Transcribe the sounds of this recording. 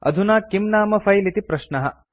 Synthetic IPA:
ɐ̰d̪ʱunaːkimnaːmɐfʰɐjlit̪ipɾɐʃnɐɦɐ̰

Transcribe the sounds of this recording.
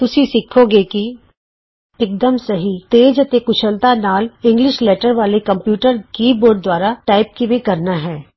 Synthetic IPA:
t̪ʊsisɪkʰoɡeki | ek̚d̪əmsɐɦit̪eːd͡ʒɐt̪ekʊt͡ʃʰəlt̪anaːlɪ̃ŋɡlɪʃleːʈəɾʋaːlekɐ̃mpjuːʈəɾkiːboːɾɖ̚d̪waːɾaʈaːɪp̚kimẽkɐɾnaɦɛː

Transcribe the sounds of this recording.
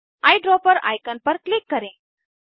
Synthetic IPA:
ajɖɾɔpəɾa̰jkənpəɾklikːəɾẽ

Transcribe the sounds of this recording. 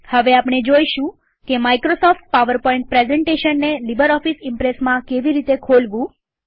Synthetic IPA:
həʋeapɳ̃ed͡ʒoiʃũ | kemaikɾosɔfʈ̚paʋəɾpɔĩɳʈ̚pɾezɛɳʈeʃənːelibəɾɔfisɪmpɾesmãkeʋiɾit̪ekʰolʋũ

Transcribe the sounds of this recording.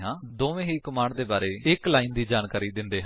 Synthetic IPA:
ɦãːd̪oːʋẽːɦiːkʊmaːɳd̪eːbaːɾeːɪklaːiːnd̪iːd͡ʒaːnkaːɾiːd̪ɪnd̪eːɦã

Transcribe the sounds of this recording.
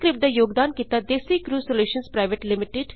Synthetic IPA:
kɾɪp̚d̪aːjoːɡd̪aːnkiːt̪aːd̪eːsiːkɾuːsoljuːʃənspɾaːɪʋeʈlɪmɪʈɪɖ

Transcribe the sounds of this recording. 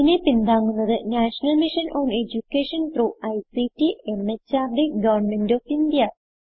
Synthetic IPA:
inepind̪aːŋːunːɐðɨnaːʂɐnɐlmiʂɐnʔoːne̞d͡ʑukːeːʂɐnproːʔɐjsitːie̞met͡ɕːaːɾɖeɡɐʋɐrɳme̞ndoːfind̪ijɐ

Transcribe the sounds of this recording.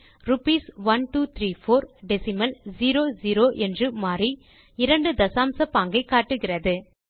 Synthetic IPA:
rʊpiːsʋɐnʈuːt̪ʰɾiːfoːɾɖɛsɪmɐlziːɾoːziːɾoːʔɛndrɯmaːri | ɪɾɐɳɖɯd̪ɐsaːmsɐpaːŋɡɐɪkːaːʈːɯɣɪrɐðɯ

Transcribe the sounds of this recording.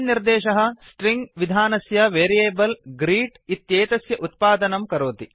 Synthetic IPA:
nniɾd̪ɛːʃɐɦɐ̆sʈɾiŋɡʋid̪ʱaːnɐsjɐʋeːɾijeːbɐlɡɾiːʈit̪jeːt̪ɐsjɐʔut̪̚paːd̪ɐnɐmkɐɾoːt̪i

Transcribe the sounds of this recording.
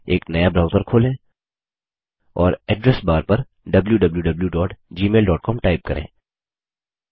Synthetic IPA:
eːknɐjabɾaːʊzəɾkʰoːlẽ | ɔːɾɛːɖɾɛsbaːɾpɐɾ | ɖɐbljuɖɐbljuɖɐbljuɖɔːʈd͡ʒiːmeːlɖɔːʈ̚kɔːmʈaːɪp̚kɐɾʔḛ̃ː

